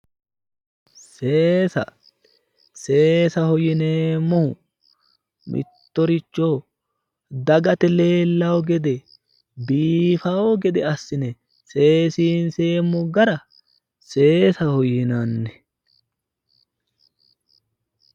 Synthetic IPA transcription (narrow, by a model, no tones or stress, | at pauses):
seːsɐ̰ | seːsɐhɔjɪneːmːɔhʊ | mʔɪ̰t̪ːɔɾɪt͡ʃːoː | d̪ɐɡɐt̪ɛle̞ːlːɐwɔɡɛd̪ɛ | biːfɐwɔɡɛd̪ɛɐsːɪnɛ | se̞ːsiːnseːmːʊɡɐɾɐ | se̞ːsɐhɔjɪnanːɛ